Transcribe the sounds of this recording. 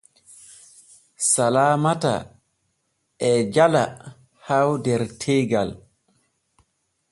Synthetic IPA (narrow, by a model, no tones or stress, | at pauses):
salaːmata̰ | ʔɛd͡ʒala | hawdɛɾtʰɛːɡal